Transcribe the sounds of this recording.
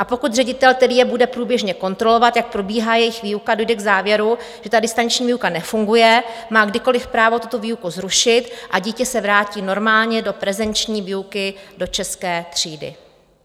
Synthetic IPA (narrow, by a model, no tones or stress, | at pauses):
ʔapo̞kut̪rɛɟɪt̪ɛlt̪ɛdɪjɛbudɛpɾuːbjɛʒɲɛko̞nt̪ɾo̞lo̞vat̪jak̚pɾo̞biːɦaːjɛjɪxviːukado̞jdɛɡzaːvjɛɾu | ʒ̥ɛt̪adɪst̪ant͡ʃɲiːviːukanɛfuŋɡujɛmaːɡdɪko̞lɪfpɾaːvo̞t̪ut̪o̞viːukuzɾuʃɪt̪ʔaɟiːcɛsɛvɾaːciːno̞ɾmaːlɲɛdo̞pɾɛzɛnt͡ʃɲiːviːukɪdo̞t͡ʃɛskɛːt̪r̝̥iːdɪ̰